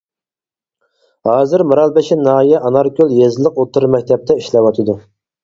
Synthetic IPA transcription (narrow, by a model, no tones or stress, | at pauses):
hɑːzɨɾmɨɾɑlˠbɛʃɪnɑːijɛʔɑnɑɾkʲʰølˠjezɪlˠəqot̪ʰːɨɾmɛk̚ʲt̪ʰɛp̚t̪ʰɛiʃlɛwɑt̪ʰɨd̪u